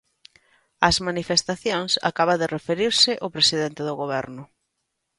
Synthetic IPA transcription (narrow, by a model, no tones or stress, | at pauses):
ɐzmanifest̪aθjoŋsa̰kaβaðɪrefeɾiɾsɪʔopɾesiðent̪ɪðʊɣoβɛ̰ɾnʊ